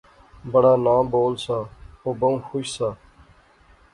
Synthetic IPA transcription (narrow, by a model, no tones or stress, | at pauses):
bəɽaːnãːboːlsaːoːbəũːxʊʃsaː